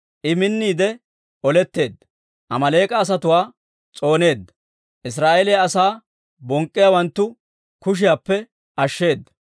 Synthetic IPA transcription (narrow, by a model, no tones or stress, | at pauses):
ʔɪmɪnːiːd̪ɛ | ʔɔlɛt̪ːe̞ːd̪ːɐ | ʔɐmɐle̞ːkʼɐːs̬ɐt̪ʊwaː | t͡sʼo̞ːne̞ːd̪ːɐ | ʔɪs̬ɾaːʔelɛjɐsaː | bɔŋkʼːɪjawɐnt̪ːʊ | kʊʃ̬ɪjapːɛ | ɐʃːe̞ːd̪ːɐ̥